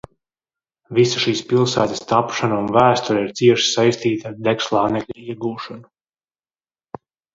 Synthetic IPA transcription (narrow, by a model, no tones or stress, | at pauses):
visaʃiːspilˠsæːt̪ast̪apʃanaunvæːst̪uɾiɾt̪siɛʃi̥sajst̪iːt̪aɾd̪ɛkslˠɑːnɛklʲaiɛɡuːʃanu